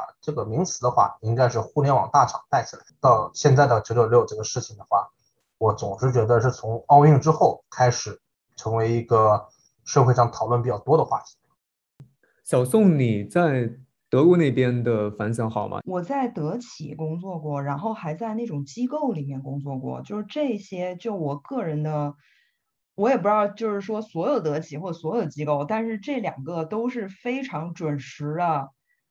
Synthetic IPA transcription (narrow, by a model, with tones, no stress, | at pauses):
ʈ͡ʂɤ˥˩ɡə˩mi˧˥ŋt͡sʰɹ̩˨˧˥d̪ə˧xwa̰˥˩i˥ŋka˥ɪʂɻ̩˥˧xu˥˧ljɛ˥nwɑ̰˨˩ŋt̪a˥˩ʈ͡ʂʰɑ˨˩ŋt̪a˥˩ɪt͡ɕʰi˨˩la˧˥ɪt̪ɑ˥˧ʊɕjɛ˥˧nt͡sa˥˩ɪd̪ə˨˩t͡ɕjo˧˩˥ʈ͡ʂɤ˥˩ə˩ʂɻ̩˥˩t͡ɕʰi˨˩ŋd̪ə˩˦xwa̰˥˩ | wɔ˧˥t͡sʊ˨˩ŋʂɻ̩˥˩t͡ɕɥɛ˧˥d̪ə˧ʂɻ̩˥˩t͡sʰʊ˧˥ŋɑ˥˧ʊy˥˩ŋʈ͡ʂɻ̩˥xo˥˩ʊkʰa˥ɪʂɻ̩˨˩˦ | ʈ͡ʂʰɤ˧˥ŋwe˧˥ɪi˧˥ɡə˧ | ʂɤ˥˧xwe˥˧ɪʂɑ˥ŋt̪ʰɑ˨˩ʊlwə˥˩npi˨˩t͡ɕjɑ˥˩ʊt̪wɔ˥d̪ə˧xwa̰˥˩t̪ʰi̥˧˥ | ɕjɑ˨˩ʊsʊ˥˩ŋni˨˩t͡sa˥˩ɪ | t̪ɤ˧˥kwɔ˧˥ne˥˩ɪpjɛ˥nd̪ə˨fa˧˥nsə˧˥xɑ˨˩ʊmɐ̰˦wɔ˨˩t͡sa˥˩ɪt̪ɤ˧˥t͡ɕʰḭ˨˩˦kʊ˥ŋt͡swɔ˥˧kwɔ˥˩ɻa˧˥nxo˥˩ʊxa˧˥ɪt͡sa˥˧ɪna˥˩ʈ͡ʂʊ˨˩ŋt͡ɕi˥ko˥˩ʊli˨˩mjɛ˥˩nkʊ˥ŋt͡swɔ˥˧kwɔ̰˥˩t͡ɕjo˥˧ʊʂɻ̩˥˧ʈ͡ʂɤ˥˩˧ɕjɛ˥t͡ɕjo˥˩ʊwɔ˨˩kɤ˥˩ɻə˧˥nd̪ə˧ | wɔ˧˥jɛ˨˩p̬u˧˥jɑ˥˩ʊt͡ɕjo˥˧ʊʂɻ̩˥˩ʂwɔ˥swɔ˧˥jo˨˩ʊt̪ɤ˧˥t͡ɕʰi˨˩xwɔ˥˩ə˩swɔ˧˥jo˨˩ʊt͡ɕi˥ko˥˩ʊt̪a˥˧nʂɻ̩˥˧ʈ͡ʂɤ˥˩ljɑ˨˩ŋɡə˧t̪o˥ʊʂɻ̩˥˩fe˥ɪʈ͡ʂʰɑ˧˥ŋʈ͡ʂwə˨˩nʂɻ̩˧˥d̪ə˧